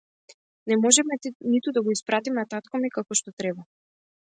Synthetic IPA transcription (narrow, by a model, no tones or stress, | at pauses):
nɛmɔʒɛmɛnit̪ud̪aɡɔispɾat̪imnat̪at̪kamikakɔʃt̪ɔt̪ɾɛba